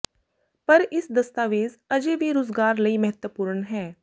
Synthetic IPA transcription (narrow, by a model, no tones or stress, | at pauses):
pɐɾɪsd̪ɐst̪aːʋeːzɐd͡ʒeʋʱiɾoːzɡaːɾləiːmɐɦət̪wəpuːɾəɳɦɛː